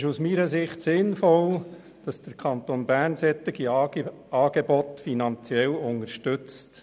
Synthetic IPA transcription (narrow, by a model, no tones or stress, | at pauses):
ʃusmiɾəsɪχtsɪnfɔl | d̥ɑsd̪̥əɾkʰɑnt̪oːnbæɾnsɛt̪ːɪɡi | ɑːɡ̥ebɔt̪finɑnt͡sjɛlʊnəɾʃtʏt͡st